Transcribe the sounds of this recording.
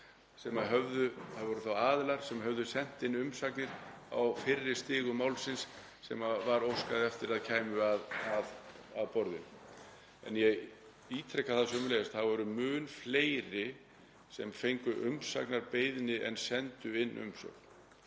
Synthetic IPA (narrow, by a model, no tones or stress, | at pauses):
sɛmaɦœvðʏθaðvɔɾʏθawaːðɪlaɾ̥sɛmɦœvðʏsɛn̥t̪ɪnːʏmsaknɪɾ̥a̰wfɪrːɪst̪ɪːɣʏmawlsɪnsː | ɛmavaɾowskaðɪɛft̪ɪɾaðcʰaːjmʏaðað | aðpɔɾðɪ̰n | ɛ̰njɛɣ | iːt̪ʰɾɛkːaðθasœʏmʏlejast̪θaðvɔɾʏmʏːnfleːjɾɪ | sɛmfejŋkʏʔʏmsa̰knaɾpejðnɪʔɛ̰nsɛnt̪ʏɪnːʔʏ̰msœ̰k̚n̥